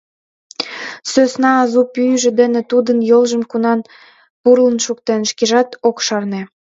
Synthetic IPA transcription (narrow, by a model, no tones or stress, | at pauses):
søsnɑːzupyʒĕd̪ĕnĕt̪ud̪ənjolʒə̆mkunɑn | purlənʃuk̚t̪enʃkeʒɑt̪okʃɑrne